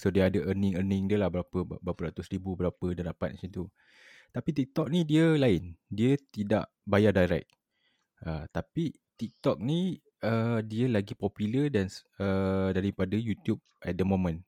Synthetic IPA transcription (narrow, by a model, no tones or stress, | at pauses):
sodeadəʔənɪ̃ŋərnɪ̃ŋdiəlahbəɾapəbəɾapəɾat̪usɾibubəɾapədandapa̰t̪̚mat͡ʃint̪u | t̪apit̪ik̚t̪ɔk̚nidiəlaɪndiət̪ida̰ʔ | bajadajɾɛ̰k̚ | ʔət̪api | t̪ik̚t̪ɔk̚ni | ədiəlaɡipɔpjulədanədaɾipadəjut̪jub̚ɛt̪̚dəmomə̃n